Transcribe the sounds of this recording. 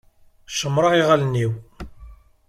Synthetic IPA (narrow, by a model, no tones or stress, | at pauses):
ʃəmːɾˤɑiʁaælənːiw